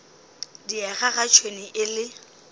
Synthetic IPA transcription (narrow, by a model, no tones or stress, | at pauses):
diɛɣaɣat͡ʃʰweniʔɪlɪ